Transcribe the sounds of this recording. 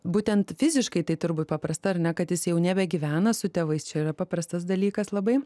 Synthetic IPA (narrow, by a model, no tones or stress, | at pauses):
buːt̪ʲɛnt̪fʲɪzʲɪʃkɐɪt̪ɐɪt̪ʊɾbuːt̪̚ʲpɐpɾɐst̪ɐɐɾnʲɛkɐt̪jɪsjɛʊnʲæbʲɛɡʲiːʋʲæːnɐsʊt̪ʲɛʋɐɪst͡ʃʲɛiːɾɐpɑːpɾɐst̪ɐsd̪ɐlʲiːkɐslˠɐbɐɪ